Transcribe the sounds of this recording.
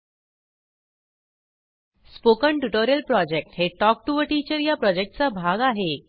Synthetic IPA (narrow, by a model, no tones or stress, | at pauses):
spokəɳʈuʈoɾijəlpɾɔd͡ʑek̚ʈɦeʈɔk̚ʈuʋəʈit͡ɕəɾjapɾɔd͡ʑek̚ʈ̚t͡sabʱaɡaɦe